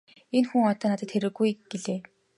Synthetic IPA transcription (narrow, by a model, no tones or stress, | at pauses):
enxuŋɔt̪ɔːnat̪ə̆t̪xeɾɘ̆ɣujɡeɮeː